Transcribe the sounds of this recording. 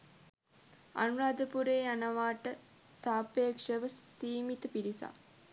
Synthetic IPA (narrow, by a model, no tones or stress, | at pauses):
a̰nuɾaːd̪əpuɾeːanəʋaːʈə | saːpeːkʂəʋəsiːmit̪əpiɾisa̰